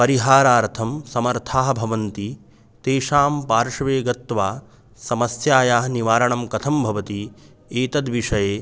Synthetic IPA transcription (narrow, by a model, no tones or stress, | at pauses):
pɐɾiɦaːɾaːɾt̪ʰɐmsɐmɐɾt̪ʰaːɦbʱɐʋɐnt̪i | t̪eːʃaːmpaːɾʂɐʋeːɡɐt̪ːʋaː | sɐmɐsjaːjaːɦniʋaːɾɐɳɐmkɐt̪ʰɐmbʱɐʋɐt̪i | eːt̪ɐd̪ʋiʂɐjeː